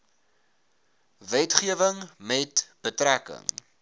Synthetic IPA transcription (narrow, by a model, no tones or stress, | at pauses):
vɛtχiəvəŋmɛtb̥ətrækə̰ŋ